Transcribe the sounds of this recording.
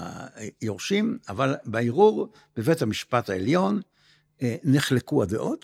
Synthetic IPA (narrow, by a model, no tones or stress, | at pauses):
joʁʃimavalbaiʁuʁ | b̥evethamiʃpathaeljo̞nː | eχlekuadeʔot